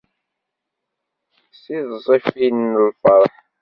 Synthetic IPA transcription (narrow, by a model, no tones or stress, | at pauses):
siðzˤifinəlfəɾˤħ